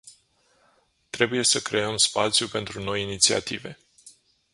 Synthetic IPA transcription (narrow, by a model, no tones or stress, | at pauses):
t̪ɾe̞buje̞səkɾe̞əmspat̪sijupe̞nt̪ɾuno̞jinit̪sia̰t̪ive̞